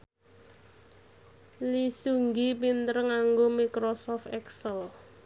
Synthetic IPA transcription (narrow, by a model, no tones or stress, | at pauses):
lisuŋɡip̬int̪əɾəŋaŋɡomikɾosɔft̪ɛksəl